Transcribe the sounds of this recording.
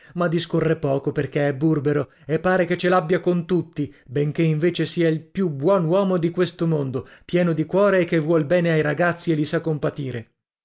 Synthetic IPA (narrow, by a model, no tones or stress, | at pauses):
mad̪ːiskorːepɔːkoperkeɛbːurbeɾo | epːaːɾeket͡ʃːelabːjakont̪ut̪ːibeŋk̟eiɱveːt͡ʃesiːailpjubwɔnwɔːmod̪ikwest̪omond̪opjɛːnod̪ikwɔːɾeːkːevːwɔlbɛːneajɾaɡat̪sːielːisakːompat̪iːɾe